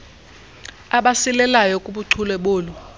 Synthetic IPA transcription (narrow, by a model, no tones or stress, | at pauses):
aɓasilɛlajɔkʼuɓuǀʰulɛɓʊːlɔ